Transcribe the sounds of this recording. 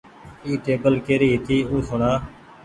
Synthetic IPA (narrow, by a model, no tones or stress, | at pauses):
iːʈeːbəlkeːɾiːt̪iːuːsʊɳaː